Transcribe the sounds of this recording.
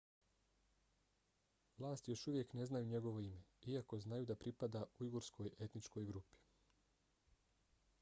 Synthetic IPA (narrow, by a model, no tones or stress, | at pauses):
ʋlˠaːst̪ijo̞ʃuʋje̞kne̞znajuɲe̞ɡo̞ʋo̞ime̞iako̞znajud̪apɾipad̪auiɡoɾskʰo̞je̞t̪nit͡ʃko̞jɡɾupi̥